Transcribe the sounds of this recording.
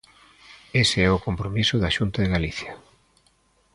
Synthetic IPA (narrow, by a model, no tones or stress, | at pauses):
eseɛʊkompɾomisʊðaʃunt̪ɐðeɣaliθjɐ